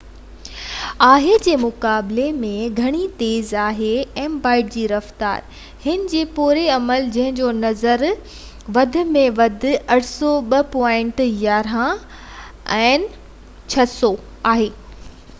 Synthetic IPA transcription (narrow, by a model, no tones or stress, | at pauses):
aːɦed͡ʑeːmʊkaːblemẽɡʱɐɽ̃it̪eːzaːɦeɛ̃ːmbaːɪʈ̚d͡ʑiːɾɐft̪a̰ːɾ | hɪnɪ̆d͡ʑeːpuːɾeɐməld͡ʑɐ̃ɦɪ̃ɲd͡ʑonɐzəɾ | ʋɐd̪ʱɪ̆mẽʋɐd̪ʱɪ̆ɐʈʰsɔɓɐpɔːɪ̃ɳʈjaːɾɦã | ɛ̃ːn | t͡ɕʰɐsɔ | aːɦeː